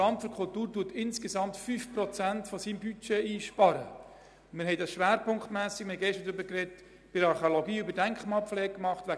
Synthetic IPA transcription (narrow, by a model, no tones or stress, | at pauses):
ɑmfyɾkʰʊltuːɾtuːtɪnsɡ̥ɛsɑmtfyfprɔt͡sæntfɔsiːmbyt͡ʃɛiːʃpɑɾə̰ | mɪɾɦɛɪd̥ɑsʃʋæːɾpʰʊŋkχtmæːsɪkmɪhɛɪɡɛʃtədøbəkrɛt | b̥ɪɾɑɾχeoloɡiːybəɾdæŋkχmɑːpflɛːkmɑχtʋæ